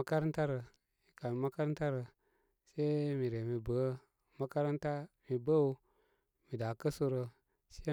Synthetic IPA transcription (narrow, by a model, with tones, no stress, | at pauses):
a˦ka˦ɾn˦ta˦ɾə˨ | mi˨ka˨lma˦ka˦ɾn˦ta˦ɾə˨ | se˦mi˨ɾe˨mi˨bə˨˦ | ma˦ka˦ɾnta˦mi˨bə˦u˦ | mi˨da˨kə˦su˦ɾə˧ | se˦